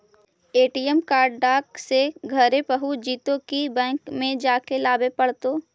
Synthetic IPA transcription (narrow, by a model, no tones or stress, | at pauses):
eːʈiːjəmkaːɾɖɖaːkseɡʱɐɾepəɦud͡ʒiːt̪õkibɛ̃ːŋkmẽd͡ʒaːkelaːbepɐɽt̪oː